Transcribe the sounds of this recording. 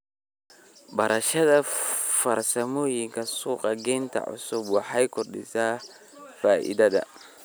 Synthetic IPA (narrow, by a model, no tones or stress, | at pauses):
bɐɾɐʃɐd̪ɐfɐɾsɐmɔjiŋkɐsuːqʼɐɡɛnt̪ʰɐ̰ʕʊ̰sʊbwaħajkʊrɗɪ̰sa | faːʔɪ̰d̪ɐd̪ɐ̰